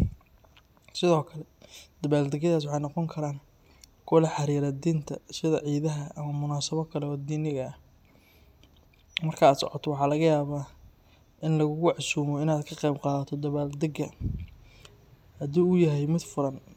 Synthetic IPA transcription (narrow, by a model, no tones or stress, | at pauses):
sɪðɔːkʰɐlɛd̪̥ɐβaːld̪ɐɡjɐðaːs̬wɑħɑjnɔqɔŋkʰɐɾaːŋ | kʰʊlɐħɑɾiːɾad̪iːnt̪ʰɐ̰sɪðɐ̰ʕiːðɐɦɐʔɐmɐmʊnaːsɐβɔkʰɐlɛɔːd̪iːnɪɣɐːh | mɐrkʰɐaːd̪sɔ̰ʕɔt̪ʰɔwɑħɑːlɐɣɐjaːβaː | ʔɪnlɐɣʊɣʊʕɑsuːmɔɪnaːd̪kʰɐqɛjbqɑːðɐt̪ʰɔd̪ɐβaːld̪ɐɡɐ | hɐd̪uːʊjɐɦɛjmɪd̪fʊɾɐn